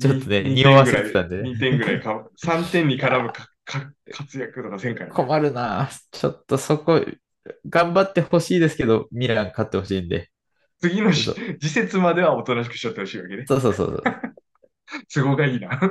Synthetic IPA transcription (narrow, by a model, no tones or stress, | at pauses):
t͡ɕot̪ːo̞neɲ̟ioβaset̪e̥t̪ãnd̪eneɲit̪ẽ̞ŋŋɡɯ̟ɾaikasãnt̪ẽ̞ɲ̟ːikaɾabɯ̟ka | kʰakʰat͡sɨjakɯ̟t̪o̞kasẽ̞ŋkaikʰo̞maɾɯ̟naːt͡ɕo̞̰t̪ːo̞so̞ko̞ | ɡãmbat̪ːe̞ho̞ɕiːd̪e̞sɨ̥ke̞d̪o̞mʲiɾãŋkat̪ːe̞ho̞ɕiːnd̪e̞ | t͡sɨɡʲinoɕd͡ʑise̞t͡sɨmad̪e̞βao̞t̪o̞naɕ̬i̥kɯ̟̥ɕiot̪ːe̞ho̞ɕiːβaked̪eso̞ːs̬o̞ːso̰ːso̰ | sɨɡo̞ɡaiːna